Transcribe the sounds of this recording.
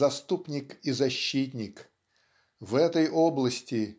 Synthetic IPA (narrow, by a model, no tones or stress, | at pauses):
ɐst̪upnʲɪkizɐɕːit̬ʲnʲɪk | vɛt̪əjʔoblˠəsʲtʲɪ